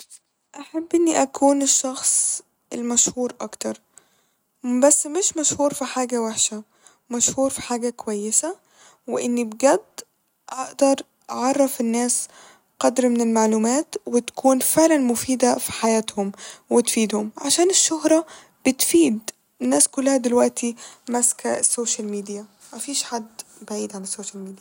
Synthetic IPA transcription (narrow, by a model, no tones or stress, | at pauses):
ʔaħabːʔɪnːiʔækʰuːnɪʃːɑxsˤ | ʔɪ̰lmæʃhuːɾʔɑkt̪ɑɾˤ | bæsːmɪʃmæʃhuːɾfiħaːɡæweħʃæ | mæʃhuːɾfi̥ħaːɡækowæjːɪsæ | wɪʔɪnːibɡæd̪ː | ʔɑʔd̪ɑɾˤ | ʔɑʕɑrˤːɑfɪnːæːs | qɑd̪ɾmɪnɪlmaʕluːmæːt̪wɪt̪kʰuːnfeʕlænmʊfiːd̪afi̥ħajæːt̪hʊmwɪt̪fiːd̪hʊmʕaʃæːnɪʃːʊhɾˤɑ | b̥ɪt̪fiːd̪ | ɪnːæːskʊlːahæd̪ɪlwæʔt̪ʰimæskasːoːʃælmiːd̪ijæ | mæfiːʃħad̪ːbaʕiːd̪ʕalasːoːʃælmiːd̪ij